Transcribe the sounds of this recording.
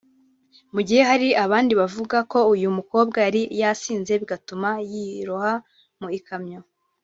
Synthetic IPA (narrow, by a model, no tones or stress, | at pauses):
muɟihe̞haɾiʔaβaːndiβavuɡako̞ujumuko̞ːb̚ɡajaɾijasiːnze̞βiɡatumajiɾuha | muikʰamɲo